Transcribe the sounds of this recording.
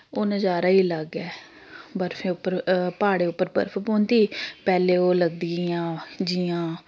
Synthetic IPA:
oːnəd͡ʒaːɾaːiːləɡɛː | bəɾfeːʊpːəɾpaːɽeːʊpːəɾbə̰ɾfʰpoːnd̪iːpɛːleːoːləɡd̪iãːd͡ʒiːãː

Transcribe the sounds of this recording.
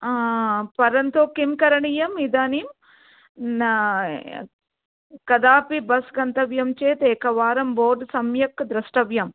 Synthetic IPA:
pɐɾɐnt̪oːkimkɐɾɐɳijɐmid̪aːnim | kɐd̪aːpibɐsɡɐnt̪ɐʋjɐmt͡ʃeːt̪eːkɐʋaːɾɐmboːɖsɐmjɐkd̪ɾɐsʈɐʋjɐm

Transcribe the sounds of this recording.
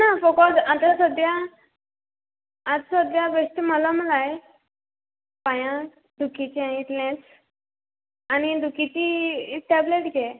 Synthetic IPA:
nafɔkɔsat̪asəd̪ja | t̪səd̪jaʋeʂʈiməlaməlaj | pãjã | d̪ʱukit͡ɕãit̪lãt͡s | añid̪ʱukit͡ɕiʈɛbleʈɡe

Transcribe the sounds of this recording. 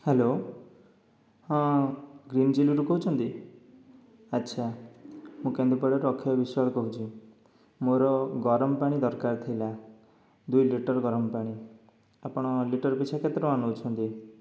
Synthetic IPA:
helo | hãɡɾind͡ʒiluɾukɔɦut͡ʃʰɔnt̪i | ətːʃʰa | mũkẽnd̪upɔɽɔɾɔkʰːijɔbisaɭɔkɔɦut͡ʃʰi | moɾɔɡɔɾɔmɔpaɽ̃id̪ɔɾkaɾt̪ʰijla | d̪ujliʈɔɾɡɔɾɔmpaɽ̃i | apɔɽ̃ɔliʈɔɾpit͡ʃʰaket̪ɾɔanot͡ʃʰɔnt̪i

